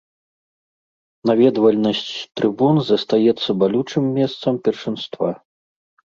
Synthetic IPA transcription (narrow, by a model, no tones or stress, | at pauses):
navʲɛd̪vɐlʲnɐsʲt͡sʲt̪ɾɨbunzɐst̪ajɛt̪sːɐbalʲut͡ʂɨmːʲɛst̪sɐmpʲɛrʂɨnst̪va